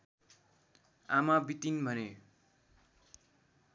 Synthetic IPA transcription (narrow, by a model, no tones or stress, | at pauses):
a̰mabit̪inbʱʌne